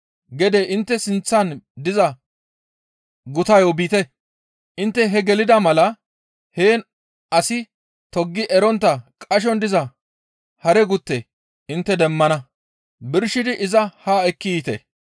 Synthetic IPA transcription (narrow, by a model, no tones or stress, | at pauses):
ɡɛd̪ɛʔɪnt̪ːɛsɪnt͡sːɐnd̪ɪzɐ | ɡʊt̪ɐjobiːt̪ɛ | ʔɪnt̪ːɛɦɛɡɛlɪd̪ɐmɐlɐ | heːn | ɐsɪ | t̪ɔɡːɪʔɛɾɔnt̪ːɐkʼɐʃ̬ɔnd̪ɪzɐ | hɐɾɛɡʊt̪ːe | ɪnt̪ːɛd̪ɛmːɐnɐ | bɪɾʃɪd̪ɪʔɪzɐhaːɛkːit̪ɛ̰